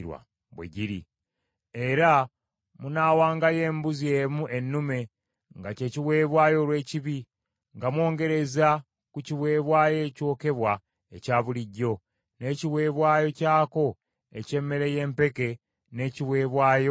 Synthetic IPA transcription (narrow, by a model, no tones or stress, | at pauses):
ɾwa̰ | βwḛɟiɾḭ | e̞ɾa | munaːwaːŋɡaje̞ːmbuziemuʔe̞nːume̞ | ŋɡace̞ciwe̞ːβwaːjo̞lwe̞ːciβi | ŋɡamwo̞ːŋɡe̞ɾe̞za | kuciβwe̞ːβwaːjeco̞ːke̞βwa | ecaːβuliɟːo̞ | ne̞ciwe̞ːβwaːjo̞caːko̞ | ḛce̞mːe̞ɾe̞je̞ːmpe̞ke̞ | ne̞ːciβwe̞ːβwaːjo̞